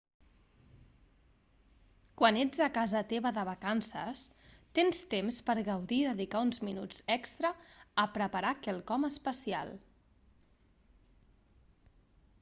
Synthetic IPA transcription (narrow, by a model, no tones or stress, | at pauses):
kwaned͡zəkazət̪eβəðəβ̞əkansə̰st̪enst̪emspəɾɣəwðiːðəðikaunzminud͡zɛkst̪ɾəəpɾəpəɾakɛlˠkɔməspəsia̰lˠ